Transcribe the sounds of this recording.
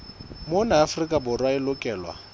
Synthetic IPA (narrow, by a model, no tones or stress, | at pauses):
mʊnaːfrikʼabʊrwaɪlʊkʼɛːlwa̰